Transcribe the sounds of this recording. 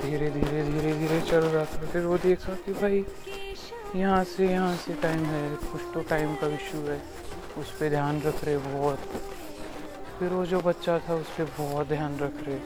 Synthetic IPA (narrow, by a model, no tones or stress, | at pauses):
d̪ʱiːɾed̪ʱiːɾed̪ʱiːɾed̪ʱiːɾet͡ʃɐlɾaat̪ʰapʰɪɾʋod̪eːkʰakibʱaːi | jɐɦãsejɐɦãseʈaːɪmɦɛkʊt͡ʃʰt̪oʈaːɪmkaɪʃuɦɛː | ʊsped̪ʱjaːnɾɐkʰɾeɛbɔːt̪ | pʰɪɾʋod͡ʒobɐt̪ːʃat̪ʰaʊspebɔːt̪̚d̪ʱjaːnɾɐkʰɾeɛ